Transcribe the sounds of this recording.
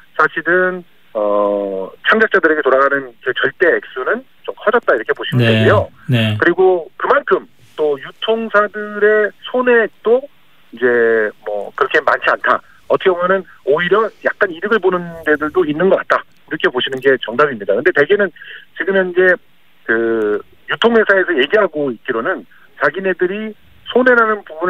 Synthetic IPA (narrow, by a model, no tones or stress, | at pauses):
sʰaɕʰiɾɯn | ʌ | t͡ɕʰaŋd͡ʑak̚t͡ɕ͈adɯɾe̞ɡe̞toɾaɡanɯnkɯt͡ɕʌɭt͈e̞ːk̚s͈unɯn | t͡ɕomkʰʌd͡ʑʌt̚t͈aiɾʌkʰe̞poɕʰinɯdeɡejo | nkɯɾiɡokɯmankʰɯm | t͈ojutʰoŋsʰadɯɾe̞sʰone̞t͈o | id͡ʑe̞mwʌ̰kɯɾʌkʰema̰nt͡ɕʰiantʰa | ʌtʰʌkʰebomjʌnɯn | oiɾjʌjak̚k͈aniɾɯɡɯɭbonɯnde̞dɯɭdoinːɯnɡʌk͈at̚t͈a | iɾʌkʰe̞poɕʰinɯnɡe̞t͡ɕʌŋdabimɲidakɯnde̞te̞ɡe̞nɯnt͡ɕiɡɯmjʌnid͡ʑe̞ | kɯ | jutʰoŋɦwe̞sʰae̞s̬ʰʌje̞ɡiɦaɡoit̚k͈iɾonɯn | t͡ɕaɡine̞dɯɾi | sʰone̞nanɯnpubun